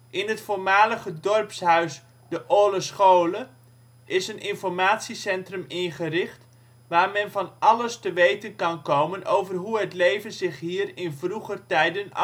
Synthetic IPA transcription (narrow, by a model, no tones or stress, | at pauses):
ʔɪnɦətfoːrmaːləχədɔrpsɦœɥs | d̥əʔoːləsχowlə | ʔɪsənʔɪnfɔrmaːtsisɛntrəmɪnχərɪχt | ʋaːrmɛnvɑnʔɑləstəʋejtənkɑnkowmənʔowvərɦuɦətlejvənzɪχɦiːrɪnvruχərtɛjdənɑ̰